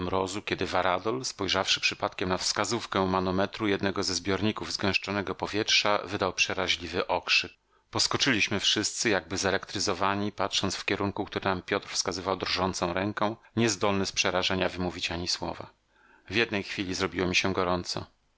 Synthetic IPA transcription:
mɾɔzukʲɛd̪ɘvaɾad̪ɔlspɔjʐafʂɘ̥pʂɘpat̪kʲɛmnafskazufkɛmanɔmɛt̪ɾujɛd̪nɛɡɔzɛzbʲjɔɾɲikuvzɡɛ̃w̃ʂt͡ʂɔnɛɡɔpɔvʲjɛtʂa̰vɘd̪awpʂɛɾaʑlʲivɘʔɔkʂɘk̚ | pɔskɔt͡ʂɘlʲiɕmɘfʂɘst̪sɘjaɡ̚bɘzɛlɛkt̪ɾɘzɔvaɲipatʂɔnsfkʲɛɾuŋkukt̪uɾɛnampʲjɔt̪ɾfskazɘvawd̪ɾʐɔnt̪sɔ̃w̃ɾɛŋkɛ̃w̃ɲɛzd̪ɔlnɘspʂɛɾaʐaɲavɘmuvʲit͡ɕaɲiswɔ̰va̰ | vʲjɛd̪nɛjxfʲilʲizɾɔbʲiwɔmʲiɕɛɡɔɾɔnt̪sɔ̰

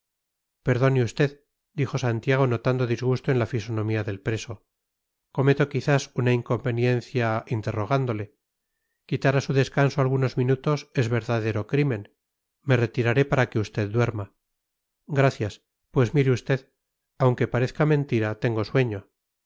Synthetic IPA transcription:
pe̞ɾðo̞neust̪e̞ð | d̪ixo̞sant̪jaɣ̞o̞no̞t̪and̪oðizɣust̪oenlafiso̞nõ̞miaðe̞lpɾe̞so̞ | ko̞me̞t̪o̞kiθasunaiŋko̞mbe̞nje̞nθjaint̪e̞ro̞ɣ̞and̪o̞le̞ | kit̪aɾasuðe̞skansoalɣ̞uno̞zmĩnut̪o̞se̞zβe̞ɾðaðe̞ɾo̞kɾimẽ̞n | me̞re̞t̪iɾaɾe̞paɾake̞ust̪e̞ðd̪we̞ɾma | ɡɾaθjas | pwe̞zmiɾeust̪e̞ð | awŋke̞paɾe̞θkamẽ̞nt̪iɾat̪e̞ŋɡo̞swe̞ɲo̞

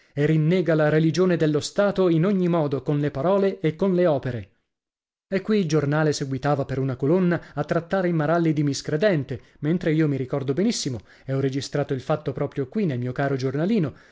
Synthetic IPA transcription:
erinːɛːɡalaɾelid͡ʒoːned̪elːost̪aːt̪oinoɲːimɔːd̪okonlepaɾɔːleːkːonleɔːpeɾe | ɛkːwiːld͡ʒornaːleseɡwit̪aːvapeɾunakolonːaat̪ːɾat̪ːaːɾeimaɾalːid̪imiskɾed̪ɛnt̪e | ment̪ɾeiːomiɾikɔrd̪obenisːimo | eɔred͡ʒist̪ɾaːt̪oilfat̪ːopɾɔːpɾjokwinːelmiːokaːɾod͡ʒornaliːno

